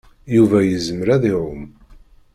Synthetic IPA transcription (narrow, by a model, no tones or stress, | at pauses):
juvæjəzəməɾæðiɾˤʊm